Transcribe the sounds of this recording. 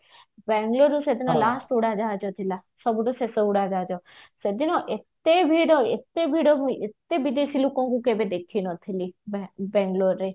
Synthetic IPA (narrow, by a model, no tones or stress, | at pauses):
bɛ̃ŋɡloɾũsed̪inalaːsʈuɽad͡ʒaːd͡ʒot̪ʰilasɔbɖuseseuɽad͡ʒaːd͡ʒosed̪inoʔet̪ebʱiɽoet̪ebʱiɽomũet̪ebid̪isilukõkukebed̪ekʰinɔt̪ʰilibbɛ̃ːŋɡloɾːe